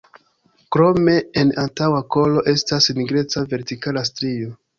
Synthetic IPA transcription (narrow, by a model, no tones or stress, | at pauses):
kɾo̞me̞ːnantawako̞lo̞ʔe̞stasniɡɾe̞t͡save̞ɾtikalastɾio̞